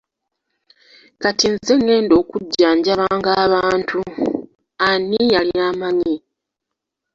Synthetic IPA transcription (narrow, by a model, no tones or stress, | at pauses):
katinze̞ŋːe̞ːndo̞ːkuɟːaːɲɟaβaːŋɡaːβaːntʰu | anːijaliaːmaɲi